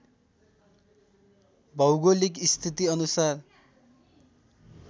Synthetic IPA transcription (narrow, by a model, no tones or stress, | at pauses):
bʌwɡolikist̪ʰit̪iʌnusar